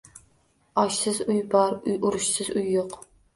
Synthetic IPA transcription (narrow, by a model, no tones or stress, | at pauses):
ɑʃsɪzujbɑɾʊjʊɾʊʃsɪzujːoq